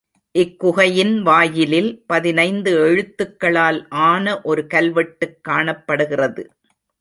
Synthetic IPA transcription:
ʔɪkːʊɣɐjɪnʋaːjɪlɪlpɐðɪnɐɪnd̪ɯɛɻɯt̪ːɯkːɐɭaːlʔaːnɐʔɔɾɯkɐlʋɛʈːɯkːaːɳɐpːɐɽɯɣɪrɐðɯ̰

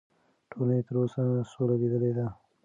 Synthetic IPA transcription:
ʈʰonet̪əɾosasolaɡed̪əled̪a

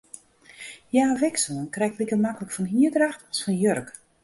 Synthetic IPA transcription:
jaːʋɛksuənkrɛjktlikərmakələkfɔnɦiədraxtɔsfɔnjørk

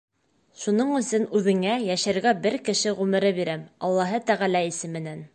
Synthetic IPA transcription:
ʃunɤɴɵ̆sɵnʉðɘ̆ŋæjæʃæɾɡæbɘɾkɘ̆ʃɘʁʉmɘ̆ɾɘbiɾæmɑlˠːɑɦɤt̪æʁælæisɘmɘ̆næn

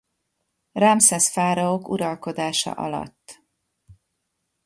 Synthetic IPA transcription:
raːmsɛsfaːɾɒokuɾɒlko̞d̪aːʃɒ̰ʔɒ̰lɒ̰t̪ː

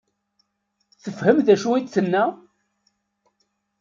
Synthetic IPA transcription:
t͡sːəfhəmðæʃuit͡sːənːæ

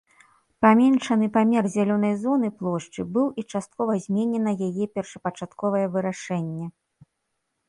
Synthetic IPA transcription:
pamʲɛnʂɐnɨpamʲɛrzʲalʲɔnɐjzɔn̪ɨplˠɔʂt͡ʂɨbɨwit͡ʂast̪̚kɔvɐzʲmʲenʲɛnɐjajɛpʲɛrʂɐpɐt͡ʂat̪kɔvɐjɛvɨɾaʂɛnʲːɛ

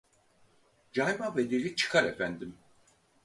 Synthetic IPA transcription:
d͡ʒajmaved̪elʲit͡ʃʰɯ̥kʰaɾe̞fænd̪im

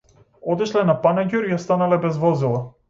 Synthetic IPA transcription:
ɔt̪iʃlɛnapanaɟʲuɾijast̪analɛbɛzvɔzilˠa

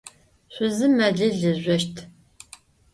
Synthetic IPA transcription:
ɕʷʊzɨmɐɮɨɮɨʑʷɐʃtʰ

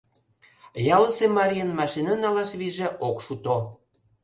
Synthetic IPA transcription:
jɑlsemɑɾʲiənmɑʃinɑnɑlɑʃβiʒĕʔokʃut̪o

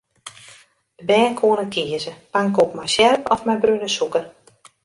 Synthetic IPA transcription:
əbɛːnkʰoənəkʰiəzəpaŋkopmɛjsjɛrpɔfmɛjbrynəsukər

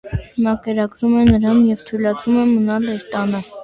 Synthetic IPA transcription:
nɑkɛɾɑɡɾumɛnəɾɑnjɛvt̪ʰujlɑt͡sumɛmənɑlɛɾt̪ɑnə

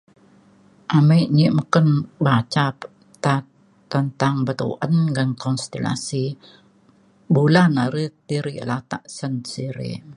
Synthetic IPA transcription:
ʔameʔɲiʔməkənbat͡ʃap | t̪a | t̪ːənt̪aŋbət̪ṵʔənɡənkɔnst̪ela̰si | bulanaɾət̪iɾilat̪a̰ʔsənsiɾḭ

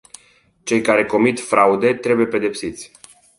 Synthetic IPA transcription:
t͡ʃe̞jkaɾe̞ko̞mit̪fɾaud̪e̞t̪ɾe̞buje̞pe̞d̪e̞psit̪sʲ

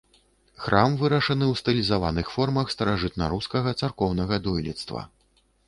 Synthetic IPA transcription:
xɾʔamvɨɾɐʂɐnɨwst̪ɨlʲizavanɨxfɔrmɐxst̪ɐɾaʐɨt̪̚nɐ̰ɾuskɐɣɐt̪sarkɔwnɐɣɐd̪ɔjlʲḭt̪st̪vɐ̰

